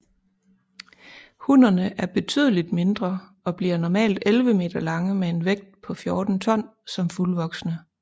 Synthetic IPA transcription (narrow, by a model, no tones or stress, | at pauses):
hunɐnəʔæɐb̥e̝t͡sʰy̰ːðˠəlid̥me̝nd̥ʁɐ | ɒ̽b̥liɐnɒmɛ̰ːld̥elʋəme̝̰ːd̥ɐlɑ̈ŋəmee̝nʋeɡ̥̚d̥̚pʰɒ̽fjɔːd̥n̩t͡sʰɒ̽n̰sɒ̽mfulʋɒ̽ɡ̥snə